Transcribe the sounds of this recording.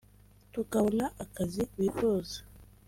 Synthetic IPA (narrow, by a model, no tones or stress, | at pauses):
tukaβonaʔakaziwiɸozḁ